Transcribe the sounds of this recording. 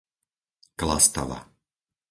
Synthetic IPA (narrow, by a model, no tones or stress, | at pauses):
klast̪a̰ʋa̰